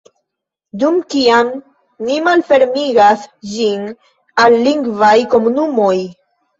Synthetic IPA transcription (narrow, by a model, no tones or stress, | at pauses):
dumkiam | nimalfe̞ɾmiɡasd͡ʒin | alːiŋɡvajko̞munumo̞j